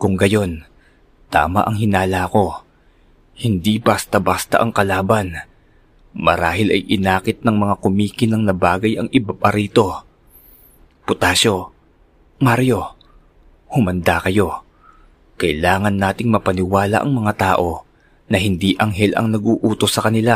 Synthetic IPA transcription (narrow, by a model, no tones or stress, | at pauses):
kʊŋɡɐjo̞n | t̪a̰ːmɐ̰ʔɐŋɦɪnaːlako̞ | hɪnd̪ibast̪ɐbaːst̪ɐ̰ʔɐŋkɐlaːbɐn | mɐɾaːhɪlɐjʔɪnaːkɪt̪̚nɐŋmɐŋakʊmiːkɪnɐŋnɐbaːɡɐjʔɐŋɪbapaɾiːt̪o̞ | pʊt̪aːʃo̞ | maɾjo̞ | hʊmɐnd̪akɐjo̞ | kɐʔɪlaːŋɐnːaːt̪ɪŋmɐpɐnɪwaːla̰ʔɐ̰ŋmɐŋat̪aːʔo̞ | nɐɦɪnd̪iːʔɐŋɦɛlʔɐ̰ŋnɐɡuːʔuːt̪o̞sːɐkɐnɪla